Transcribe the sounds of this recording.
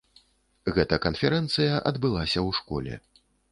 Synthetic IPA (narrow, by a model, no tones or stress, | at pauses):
ɣɛt̪ɐkɐnfʲɛɾɛnt̪sɨjɐʔɐd̪bɨlˠasʲɐwʂkɔlʲɛ̰